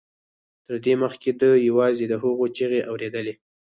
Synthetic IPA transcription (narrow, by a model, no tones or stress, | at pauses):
t̪əɾd̪eməxked̪əjawɑzed̪əɦəɣot͡ʃeɣeʔawɾed̪əle